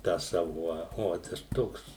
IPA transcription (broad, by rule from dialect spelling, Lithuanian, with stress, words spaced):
tɑː ˈsɑːʋʊ oː ˈoːt ɐʃ ˈtoːks